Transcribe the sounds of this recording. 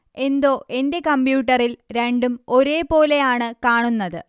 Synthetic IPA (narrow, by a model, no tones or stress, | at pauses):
e̞nd̪o̞ːʔe̞nde̞kɐmbjuːʈːɐrilɾe̞ɳɖumo̞ɾe̞ːpo̞ːle̞jaːɳɨkaːɳunːɐðɨ